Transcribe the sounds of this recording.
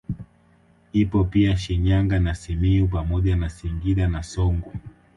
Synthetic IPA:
ipɔpiaʃiɲaŋɡanasimiup̬amɔʄanasiŋɡiɗanasɔŋɡɔ

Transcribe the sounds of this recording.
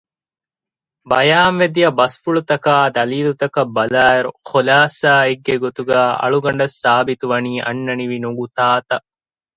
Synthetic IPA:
bɐjaːnʋed̪ijɐbɐsfuɭut̪ɐkaːd̪ɐliːlut̪ɐkɐbːɐlaːeɾuxolaːsaːeɡːeɡot̪uɡæːɐ̰ɭuɡɐɳ̆ɖɐsːaːbit̪uʋɐniːʔɐ̰nːɐniʋinuɡut̪aːt̪ɐ

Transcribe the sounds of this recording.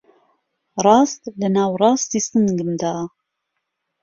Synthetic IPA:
ɾˤɑːst̪lənaːwɾˤɑːst̪isənɡənd̪a

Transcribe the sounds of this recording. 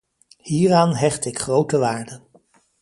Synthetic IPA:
hiːraːnɦɛχtɪkχrowtəʋaːɹdən

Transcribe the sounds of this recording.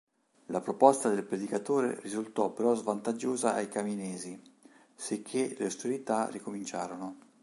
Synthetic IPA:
lapɾopɔst̪ad̪elpɾed̪ikat̪oːɾḛrizult̪ɔpːeɾɔzvant̪ad͡ʒːoːzaʔajkaminɛːzi | sekʰːeleast̪eɾit̪arikomint͡ʃaːɾono

